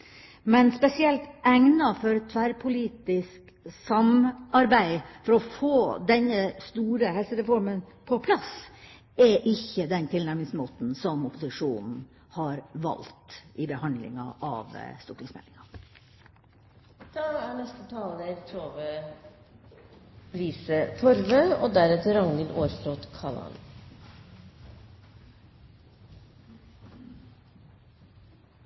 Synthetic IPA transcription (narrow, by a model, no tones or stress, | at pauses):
mɛnspɛsɪɛlt̪æŋnɑfɔɾt̪ʰʋæɾpʰʊliːt̪ɪsk | sɑmɑɾbæɪfɔɾɔfoːd̪ɛnəst̪uːɾəhɛlsəɾɛfɔɾmənpʰɔpʰlɑs | ɛʔɪçːəd̪ɛnt̪ʰɪlnæɾmɪŋsmoːt̪n̩sɔmʊpːʊsɪʂuːnn̩ | hɑɾʋɑ̰lt̪ʔɪbəhɑnd̪lɪ̰ŋɑ̰ʔɑ̰ːʋ̰st̪uːʈɪsmɛ̰lɪŋɑ | d̪̥ɑːæːɳɛst̪ət̪ʰɑːləɾt̪ʰoːʋə | pʰɾiːsət̪ʰɔɾʋəoːd̪æɾɛt̪əɾɑŋnəlʔoːɾfɾoːt̪kʰɑlɑ̰n